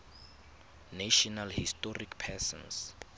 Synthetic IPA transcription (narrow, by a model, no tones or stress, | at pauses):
naʃɔnalhistɔrikpʰɛsɔ̰̃ns